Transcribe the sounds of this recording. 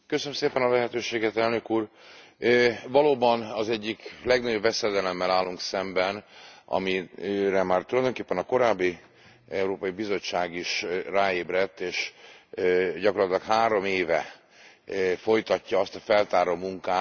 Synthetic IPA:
køsønømseːpɛnɒlɛɦɛt̪øːʃeːɡɛt̪ɛlnø̞kuːr | øːvɒloːbɒnɒzɛɟːiklɛɡnɒɟo̞bvɛsɛd̪ɛlɛmːɛlaːlːuŋksɛmbɛnɒ̰miɾɛmaːrt̪ulɒjd̪o̞ŋkeːpːɛnɒko̞ɾaːbːi | ɛuɾoːpɒjibizo̞t͡ʃːaːɡiʃraːeːbrɛt̪ːeːʃ | ɟɒkorlɒt̪ilɒkhaːɾo̞meːvɛ | fo̞jt̪ɒcːɒɒst̪ɒfɛlt̪aːɾoːmuŋkaː

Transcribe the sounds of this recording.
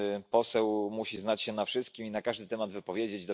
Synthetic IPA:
pɔsɛwmuɕiznat͡ɕɕɛnafʂɘst̪̚kʲiminakaʐd̪ɘt̪ɛmad̪vɘpɔvʲjed͡ʑed͡ʑd̪ɔ

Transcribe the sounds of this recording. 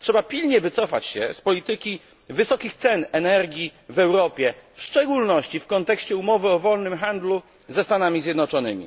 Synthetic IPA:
tʂɛbapʲilɲɛvɘt̪sɔfa̰t͡ɕɕɛ̰spɔlʲit̪ɘkʲi | vɘsɔkʲixt̪sɛnɛnɛɾɡʲivɛwɾɔpʲjɛfʂt͡ʂɛɡulnɔɕt͡ɕifkɔnt̪ɛkɕt͡ɕɛumɔvɘɔvɔlnɘmxand̪lu | zɛst̪anamʲizʲjɛd̪nɔt͡ʂɔnɘmʲḭ

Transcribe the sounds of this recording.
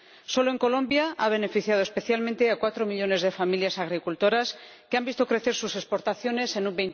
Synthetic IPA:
so̞loeŋko̞lõ̞mbjaʔaβ̞e̞ne̞fiθjað̞o̞espe̞θjalmẽnt̪e̞akwat̪ɾo̞miʎo̞ne̞zðe̞familjasaɣ̞ɾikult̪o̞ɾas | keambist̪o̞kɾe̞θe̞ɾsuse̞spo̞ɾt̪aθjo̞ne̞se̞numbejn

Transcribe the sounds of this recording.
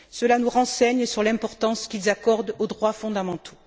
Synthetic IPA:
səlanuʁɑ̃sɛɲsyʁlɛ̃pɔʁt̪ɑ̃skʲilzakɔʁd̪od̪ʁwafɔ̃d̪amɑ̃t̪ʰo̥

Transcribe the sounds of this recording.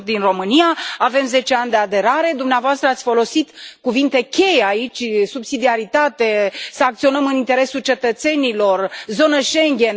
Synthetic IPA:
t̪d̪inro̞mɨnijaave̞mze̞t͡ʃe̞anʲd̪e̞ad̪e̞ɾaɾe̞d̪umneavoast̪ɾəat̪sʲfo̞lo̞sit̪kuvint̪e̞kʲe̞jeait͡ʃʲsubsid̪iaɾit̪at̪e̞səak̚t̪sio̞nəmɨnint̪e̞ɾe̞sult͡ʃe̞t̪ət̪se̞nilo̞rzo̞nəʃe̞ŋɡʲen

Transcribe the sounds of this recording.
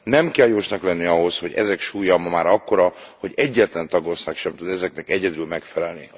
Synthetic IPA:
nɛmkɛljoːʃnɒklɛnːiɒɦo̞sho̞ɟɛ̰zɛkʃuːjɒmɒmaːɾɒkːoɾɒho̞ɟɛɟːɛt̪lɛnt̪ɒɡo̞snɛkʃɛmt̪ud̪ɛzɛknɛkɛɟɛd̪ylmɛkfɛlɛlni

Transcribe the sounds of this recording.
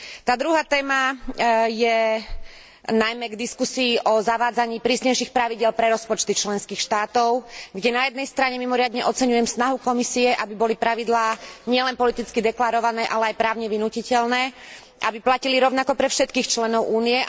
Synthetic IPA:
t̪aːd̪ɾuɦaːt̪ɛːma | jɛ | najmɛɡd̪iskusiːʔɔzaʋaːd͡zaɲiːpɾiːsɲɛjʃixpɾaʋiɟɪɛlpɾɛɾɔspɔt͡ʃt̪it͡ʃlɛnskiːxʃt̪aːt̪ɔʊɡɟɛnajɛd̪nɛjst̪ɾaɲɛmimɔɾɪad̪ɲɛʔɔt͡sɛɲujɛmsnaɦukɔmisiɛʔabibɔlipɾaʋid̪laːɲɪɛlɛnpɔlit̪it͡skid̪ɛklaɾɔʋanɛːʔalɛajpɾaːʊɲɛʋinucicɛʎnɛː | ʔabiplaciliɾɔʊnakɔpɾɛfʃɛt̪kiːxt͡ʃlɛnɔʊʔuːniɛ

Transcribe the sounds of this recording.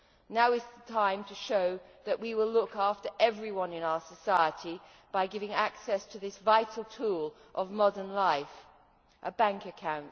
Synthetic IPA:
naʊɨzðətʰãɪ̃mtʰɨʃoʊðɨʔwiwɪlʊkæftə˞ʔɛvɹiwʌ̃nɨ̃naʊə˞sɨsaɪəɾi | b̥aɪɡɪvɪ̃ŋæksɛstʰɨðɪsvaɪɾl̩ˠtʰulˠ | ʔʌvmɒdə˞nlaɪf | ʔəbæ̃ŋkɨkʰãʊ̃nt

